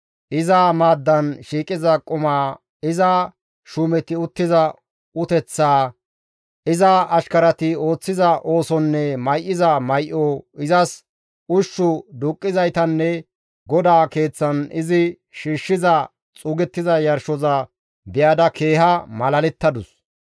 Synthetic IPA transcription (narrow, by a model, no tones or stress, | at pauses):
ʔɪzamaːd̪ːɐnʃiːkʼɪzɐkʼʊmaː | ɪzɐ | ʃuːmɛt̪ɪʊt̪ːɪzɐ | ʊt̪ɛt͡sːaː | ʔɪzɐɐʃkɐɾɐt̪ɪo̞ːt͡sːɪzɐʔo̞ːsɔnːɛmɐjʔɪzɐmɐjʔoɪzɐs | ʊʃːʊd̪ʊːkʼːɪzɐjt̪ɐnːɛ | ɡɔd̪aːke̞ːt͡sːɐnɪzɪ | ʃiːʃːɪzɐ | t͡sʼʊːɡɛt̪ːɪzɐjɐɾʃɔzɐ | bɪjaːd̪ɐke̞ːhɐmɐlɐlɛt̪ːɐd̪ʊs